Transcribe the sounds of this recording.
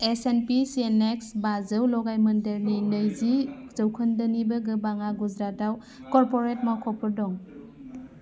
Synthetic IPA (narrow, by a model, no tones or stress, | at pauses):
esenpiseneksbazɯwlɔɡajmɐndeɾninəjzizəwkʰɯndənibɯɡɯbaŋaɡud͡ʒɾataw | kɔɾpɔɾet̚makʰɔpɯɾdɔŋ